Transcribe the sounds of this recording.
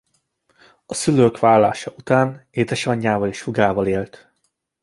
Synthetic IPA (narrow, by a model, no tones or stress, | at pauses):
ɒsyløːkʋaːlːa̰ːʃɒʔut̪aːneːd̪ɛʃɒɲːaːvɒliʃfuɡaːvɒleːlt̪